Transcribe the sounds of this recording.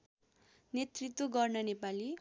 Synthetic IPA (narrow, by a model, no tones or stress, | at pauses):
net̪rit̪woɡʌrnʌnepali